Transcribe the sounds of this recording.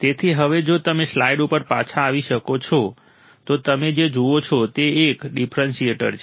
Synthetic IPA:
t̪et̪ʰiɦəʋed͡ʒot̪əmeslaiɖupəɾpat͡ʃʰaːʋiʃəkot͡ʃʰɔ | t̪ot̪əmed͡ʒed͡ʒuot͡ʃʰɔt̪eːkɖipʰɾənsieʈə̰ɾt͡ʃʰ

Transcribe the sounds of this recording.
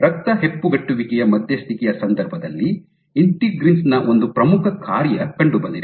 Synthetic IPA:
ɾɐk̚t̪ɐɦepːuɡɐʈːuʋikɛjɐmɐd̪ʱjɐst̪ʰikɛjɐsɐnd̪ɐɾbʱɐd̪ɐlːi | iɳʈiɡɾinsnɐʔo̞nd̪upɾɐmukʰɐkʰaːɾjɐkɐɳɖubɐnd̪id̪e

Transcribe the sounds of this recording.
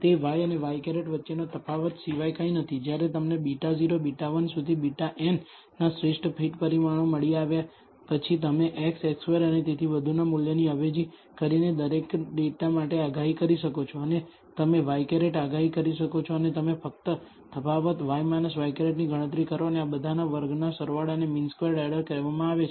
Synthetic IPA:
t̪eʋajəneʋajkeɾeʈʋətːʃenat̪ʰəpʰaʋət̪siʋajkaĩnət̪ʰid͡ʒjaɾet̪əmnebiʈaziɾobiʈaʋənsud̪ʱibiʈaʔen | nasɾeʂʈʰpʰiʈpəɾimaɳ̃oməɭiaʋja | pət͡ʃʰit̪əmeʔɛksɛksʋeɾənet̪et̪ʰiʋəd̪ʱunamuljəniəʋed͡ʒi | kəɾined̪əɾekɖeʈamaʈeaɡaɦikəɾiʃəkot͡ʃʰoəne | t̪əmeʋajkeɾeʈaɡaɦikəɾiʃəkot͡ʃʰoənet̪əmefək̚t̪ə | t̪ʰəpaʋət̪ʋajmanəsʋajkeɾeʈniɡʱəɽ̃ət̪̬ɾikəɾʋaneabəd̪ʱanaʋəɾɡnasəɾʋaɽəneminskeɾɖɛɽəɾkəɾʋamãaʋet͡ʃʰ

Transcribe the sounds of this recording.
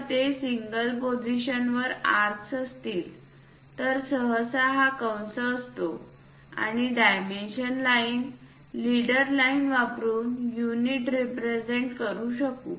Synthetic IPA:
t̪esiŋɡəlpod͡ziɕənʋəɾaɾsəst̪iːl | t̪əɾsəɦəsaɦakawnsəːst̪o | a̰ɽ̃iɖajmenɕənlaiːn | liɽəɾlainʋapɾuːnjuniʈɾipɾed͡ʑeɳʈkəɾuːɕəkṵː

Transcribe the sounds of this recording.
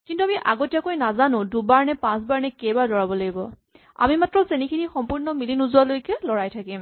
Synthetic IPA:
kintuamiʔaɡotijakojnazanʊ̃dubaɹnɛpãsbaɹnɛkejbalɔɹabɔlaɡibɔ | a̰mimatɹɔzenikʰinixɔmpuɹnɔmilinuzuwalojkɛlɔɹajtʰakim

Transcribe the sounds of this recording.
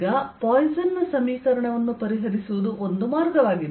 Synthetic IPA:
ɡɐpɔːjzɐnːɐsɐmiːkɐɾɐɳɐʋɐnːupɐɾiɦɐɾisuʋud̪uʔo̞nd̪umaːɾɡɐʋaːɡi

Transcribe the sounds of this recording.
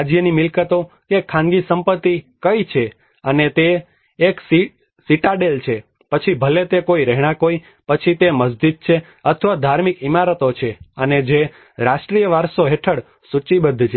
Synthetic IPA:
ad͡ʒjənimɪlkət̪o | kekʰːãŋɡisəmpət̪ːikəit͡ʃʰe | ənet̪eː | ksi | siʈaɖelt͡ʃʰe | pət͡ʃʰibʱəlet̪ekoiɾɛɦɽ̃ãkoi | pət͡ʃʰit̪eməzd̪id̪̚t͡ʃʰe | ət̪ʰʋad̪ʱaɾmikimaɾət̪ot͡ʃʰeəned͡ʒe | ɾaʃʈɾijəʋaɾsoɦeʈʰəɽ | sut͡ʃibəd̪ʱːt͡ʃʰe

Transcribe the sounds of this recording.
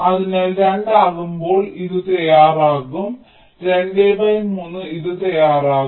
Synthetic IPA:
ɐðinelɾeɳɖaːɣumbo̞ːɭiðɨt̪ɐjaːraːɣum | ɾeɳɖeːbɐjimunːɨiðɨt̪ɐjaːraːɣ

